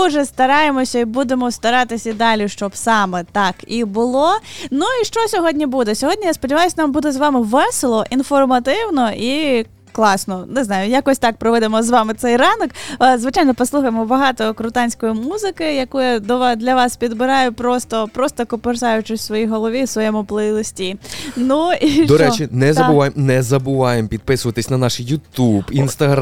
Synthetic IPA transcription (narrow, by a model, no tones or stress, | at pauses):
ʊʒɛst̪ɐɾɑjemɔsʲɐibud̪emɔst̪ɐɾɑt̪ɪsʲɐid̪ɑlʲiʃt͡ʃɔbsɑmɛt̪ɑkibʊlˠɔnuiʃt͡ʃɔsʲɔɦɔdʲnʲibud̪ɛsʲɔɦɔdʲnʲijaspɔdʲɪʋɑjʊsʲnambud̪ɛzʋɑmɪʋɛselˠɔʔinfɔrmɐt̪ɪwnɔʔi | klˠɑsnɔnɪznɑjʊjakɔsʲt̪ɑk̚pɾɔʋɛd̪emɔzʋɑmɪt̪sɛjrɑnɔkzʋɪt͡ʃajnɔpɔslˠuxɐjemɔbɐɦɑt̪ɔkɾʊt̪ɑnʲsʲkɔjimuzɪkɪjɐkujad̪ɔʋɑd̪lʲɐʋɑspʲid̪bɪɾɑjʊpɾɔst̪ɔpɾɔst̪ɔkɔpɪrzɑjʊt͡ʃɪsʲtʲsʋɔjiɦɔlˠɔʋʲisʋɔjɛmʊplˠɪlˠɔsʲtʲinuid̪ɔɾɛt͡ʃinɛzɐbʊʋajemnɛzɐbʊʋɑjempʲid̪̚pɪsʊʋɐt̪ɪsʲnɐnɑʃɪjːʊt̪ubinst̪ɐɦɾ